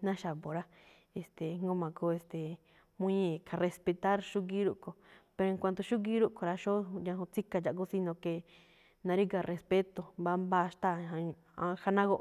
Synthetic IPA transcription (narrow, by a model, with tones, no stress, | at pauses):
nã˦ʃa˨βo˨ɾa˦ | e˨st̪e˨ŋ˦ɡo˦mã˨ko˧˦e˧st̪e˨ | mũ˦ĩ˦kʰa˨re˧spe˧t̪a˦ɾʃu˦ɡi˦ɾu˧ʔko˨pe˧ɾo˧ŋkʷa˧nd̪o˧ʃu˦ɡi˦ɾu˦ʔko˨˧ɾa˧ʃo˦˧ɲã˧hũ˧t͡si˦ka˧t͡ʃa˨k̬u˦si˧nõ˧ke˧ | nã˧ɾi˦ka˧rʔe˧spe˦t̪o˨mba˧˦mba˦˧ʃt̪a˦˨a˧ | a˧ha˧nã˦ɣo˦˧ʔ